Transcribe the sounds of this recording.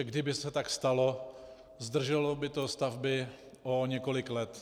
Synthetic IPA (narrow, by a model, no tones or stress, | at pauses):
ɡdɪbɪsɛt̪akst̪alo | zd̪r̩ʒɛlɔbɪt̪ost̪avbɪ | ʔoɲɛko̞lɪklɛt̪